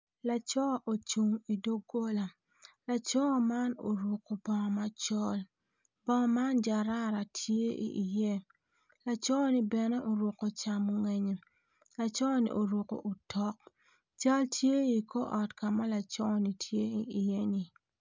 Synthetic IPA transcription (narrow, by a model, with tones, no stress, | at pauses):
la˨t͡ʃɔ˦ʔo˨t͡ʃu˨ŋi˨do˦ɡo˦la˨ | la˨t͡ʃɔ˦ma˦no̰˨ɾu˨ko˨bɔ˨ma˦t͡ʃɔ˦l | bɔ˦ma˦nd͡ʒa˨ɾa˦ɾa˨tʰje˦ʔḭ˨ʔi˨je˦ | la˨t͡ʃɔ˦ni˦bɛ˨nɛ˦ʔo˨ɾo˨ko˨t͡ʃa˨mo˦ŋe˦ɲe˨ | la˨t͡ʃɔ˦nḭ˨ʔo˨ɾo˨ko̰˨ʔo˨tʰɔ˦k̚ | t͡ʃa˦ltje˦i˨ko˦ʔɔ˨tka˨ma˦la˨t͡ʃɔ˦ni˨tʰje˦i˨i˨je˦ni˨